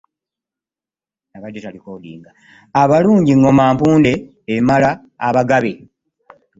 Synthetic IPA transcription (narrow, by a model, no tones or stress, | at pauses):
aβadːotalikolḭːŋɡaː | βaluːɲɟiŋːo̞maːmpuːnde̞ː | malaː | βaɡaβe̞